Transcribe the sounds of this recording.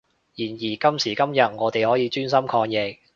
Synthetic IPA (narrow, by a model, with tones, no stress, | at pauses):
jiː˨˩njiː˨˩kɐ˥msiː˨˩kɐ˥mjɐ˨t̚ŋɔː˨˧t̪e˨˩jhɔː˨˥jiː˨˧t͡ʃyː˥nsɐ˥mkʰɔː˧ŋjɛ˨k̚